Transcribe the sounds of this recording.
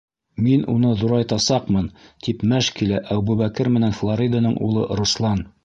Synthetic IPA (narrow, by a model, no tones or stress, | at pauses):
minʔṵnɤðuɾɑjt̪ɑsɑqmɤnt̪ipmæʃkilæʔæwbʉβækɘɾmɘ̆nænflˠoɾʲid̪anɤɴʔṵlˠɤ̰ɾuslˠɑn